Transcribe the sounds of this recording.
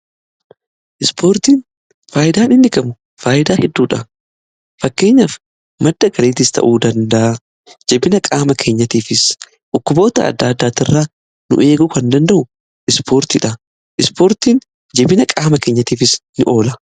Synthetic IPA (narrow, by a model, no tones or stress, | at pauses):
ʔɪspoːɾt̪iːn | faːjɪd̪aːnɪnd̪ɪkɐmʊ | faːjɪd̪aːhɛd̪ːuːᶑɐ | fɐkːe̞ːɲːaf | mɐd̪ːɐɡɐɾeːt̪ɪst̪ʰɐ̰ʔuːd̪ɐnd̪ɐʔɐ | d͡ʒɛbɪnɐkʼaːmɐkʰeːɲːɐt̪iːfɪs | ʔʊkːʊbo̞ːt̪ɐ̰ɐ̰d̪ːaːd̪ːaːt̪ɪrːaː | nʊ̰ʔe̞ːɡʊkɐnd̪ɐnd̪ɐʔʊ | ʔɪspoːɾt̪ɪᶑɐ | ʔɪspoːɾt̪iːn | d͡ʒɛbɪnɐkʼaːmɐkeːɲːɐt̪iːfɪsnɪʔo̞ːlɐ